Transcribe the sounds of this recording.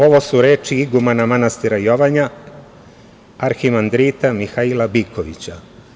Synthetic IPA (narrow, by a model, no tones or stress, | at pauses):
o̞ʋo̞suɾe̞ːt͡ʃiiɡumanamanast̪iɾajo̞ʋaɲa | aɾximand̪ɾit̪amixailabikʰoʋḭt͡ɕa